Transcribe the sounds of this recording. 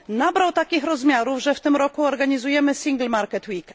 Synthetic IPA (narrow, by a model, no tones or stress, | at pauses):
nabɾawt̪akʲixɾɔzmʲjaɾuvʐɛft̪ɘmɾɔkuɔɾɡaɲizujɛmɘsʲiŋɡlmaɾkɛt̪wik